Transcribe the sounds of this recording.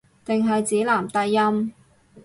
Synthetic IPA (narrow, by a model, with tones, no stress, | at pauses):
t̪ɪ˨ŋɦɐ˨jt͡siː˨˥laː˨˩mt̪ɐ˧jːɐ˥m